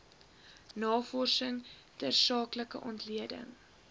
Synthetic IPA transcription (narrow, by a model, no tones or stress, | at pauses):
nɑːfɔrsəŋtərsɑːkləkəʔɔntliədə̰ŋ